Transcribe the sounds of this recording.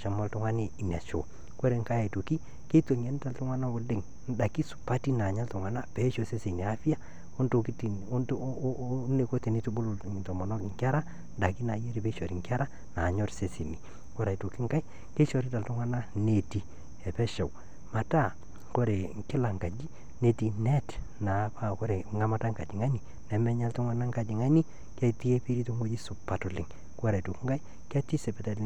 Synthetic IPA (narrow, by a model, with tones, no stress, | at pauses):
t͡ʃa˨mɔ˦ltʊ˦ŋa˦ne˦i˨na˨t͡ʃo̰˨ | ko˦ɾe˨ŋ˦ka˦ja˨to˨ki˦ | ke˦to˨ɲɛ˨˦n˦ta˨ltʊ˦ŋa˦na˦wo˨dɪ˨ŋ | n̩˦da˨ki˦sʊ̥˨pa˦ti˦na˨ɲa˦ltʊ˨ŋa˨na˦pɛ˨˦ʃo˨se˦se˨ni˨a˦fi˦ja˦ | o˦nto˨ki˦ti˨˦ | ne˨ko˦te˨ni˦tu˦bʊ˦ltɔ˨mɔ˨nɔ˦kɪ˨ŋkʲa˦ɾa˦ | n˦da˨ki˦na˨je˦ɾi˦˨pe˦ʃo˨ɾi˨ŋkʲa˦ɾa˦ | na˨ɲɔ˦ɾse˦se˨ni˨ | ko˦ɾa˨i˨tu˨ki˦ŋka˦i˦ | ke˦ʃɔ˨ɾi˦ta˨ltʊ˦ŋwa˦na˦ne˨ti˨ | ɛ˨pɛ˦ʃa˨w | ma˨ta˦˨ | ko˦ɾe˨ŋkɪ˦la˨ŋka˨d͡ʒi˦ | ne˨ti˨nɛ˦t | na˨˦pa˦ko˦ɾe˨ŋa˦ma˦ta˦ŋka˨d͡ʒi˨ŋa˦ɲi˨ | nɛ˨mɛ˦ɲa˦ltʊ˦ŋwa˦na˦ŋka˨d͡ʒi˨ŋa˦ɲi˦ | kɛ˦ti˦e˦pi˦ɾi˦to˦ŋo˦d͡ʒi˦sʊ˨pːa˨tɔ˨lɪ˨ŋ | kɔ˦ɾa˨tu˨ki˦ŋka˦i˦ | ka˦ti˦sɛ˨pɛ˨ta˦